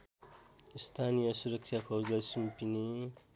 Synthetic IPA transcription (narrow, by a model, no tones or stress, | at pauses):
ist̪ʰanijʌsuɾʌkʃʰapʰawzasumpini